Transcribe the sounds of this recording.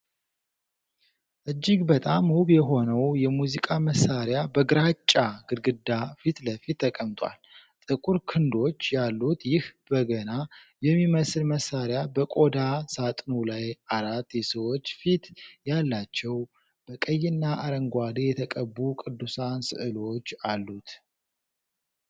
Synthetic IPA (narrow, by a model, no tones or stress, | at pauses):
ʔɨd͡ʒːɪɡbət̪ʼamuβjɛɦo̞nəwjɛmuzikʼaməsːaɾjabəɡɨɾat͡ʃʼːaɡɨɾɡɨd̪afit̪ləfit̪ʰːəkʼəmt̪ʼwa̰l | t̪ʼɨkʼuɾkʰɨnd̪o̞t͡ʃːjalːut̪ʰjɪhbəɡəna | jɛmːiməsɨlməsːaɾjabəkʼo̞d̪asat̪ʼnulajaɾat̪ːjɛsəwo̞t͡ʃːfit̪jalːat͡ʃːɛw | b̥əkʼəjɪnːaʔaɾəŋɡʷad̪ejɛt̪ʰəkʼəbːukʼɨd̪ːusansɨ̰ʔɨlo̞t͡ʃːalːut̪